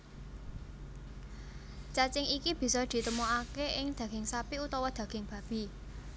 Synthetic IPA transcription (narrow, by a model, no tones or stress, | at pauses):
t͡ʃat͡ʃɪŋikib̥i̤sɔd̪̥i̤t̪əmoakeʔɪŋd̪̥ä̤ɡ̥ɪŋsapiut̪ɔwɔd̪̥ä̤ɡ̥ɪŋb̥ä̤b̥i̤